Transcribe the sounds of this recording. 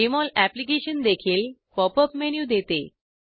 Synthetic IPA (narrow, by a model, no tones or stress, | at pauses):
imɔlæplik̬eɕənd̪ekʰiːlpɔpəpmenjud̪et̪e